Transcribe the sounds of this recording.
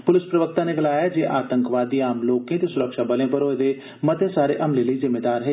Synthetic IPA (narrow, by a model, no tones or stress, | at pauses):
pʊlɪspɾəʋək̚t̪ãːneːɡəlaːjaːd͡ʒeːʔaːt̪ə̃ŋkʋaːd̪iːaːmloːkẽt̪eːsʊɾəkʃaːbəlẽːp̬əɾoːed̪eː | mət̪ẽːsaːɾḛːʔəmleːləiːzɪmːeːd̪aːɾɦeː